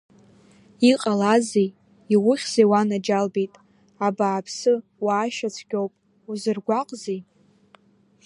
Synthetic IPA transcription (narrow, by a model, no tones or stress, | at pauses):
iqʼalazej | iwʊχʲz̥ejwanad͡ʒalbejtʼ | abaːpʰsɨwaːʃat͡sʷʰɡʲowpʼ | uzɨrɡʷaqʼzij